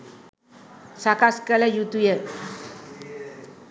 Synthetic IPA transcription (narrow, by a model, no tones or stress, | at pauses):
sakaskəlɐjut̪ujə